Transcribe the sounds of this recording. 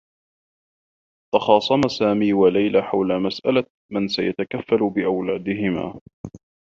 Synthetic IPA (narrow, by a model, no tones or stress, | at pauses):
t̪ɑxɑːsˤɑmasaːmiːwalajlaħawlamasʔala | mansajat̪akafːalbɪʔawlaːd̪ɪɦɪma̰ː